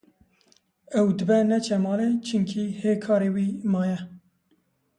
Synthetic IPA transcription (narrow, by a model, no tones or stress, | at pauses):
ɛwd̪ɨbɛnɛt͡ʃʰɛmɑːlet͡ʃʰɨŋkʰiheːkʰɑːɾeːwiːmɑːjɛ